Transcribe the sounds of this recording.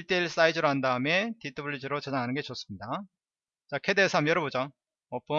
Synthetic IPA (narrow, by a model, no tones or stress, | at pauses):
iɭt͈eiɭs͈aid͡ʑɯɾoɦandaɯme̞titʰɯbɯɭːid͡ʑɯɾot͡ɕeaŋanɯnɡe̞t͡ɕʌs͈ɯmɲida | t͡ɕakʰe̞de̞sʰamjʌɾʌbod͡ʑa | ʌp͈o